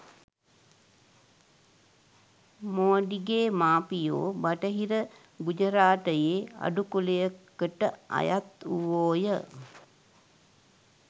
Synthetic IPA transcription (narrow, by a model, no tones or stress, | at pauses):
moɖiɡeːmaːpijo̰ːbaʈəɦiɾə | ɡud͡ʒəɾaːʈəjeːa̰ɖukulejəkəʈəa̰jat̪uʋoːjə